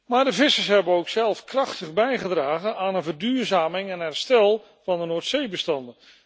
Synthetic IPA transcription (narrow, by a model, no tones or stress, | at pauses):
maːɹdəvɪsəɹsɦɛbənowksɛlˠfkrɑχtəχbɛjχədraːχənaːnənvəɹdyːɹzaːmɪŋɛnɦɛɹstɛlˠ | vɑndənoːɹtsejbəstɑndən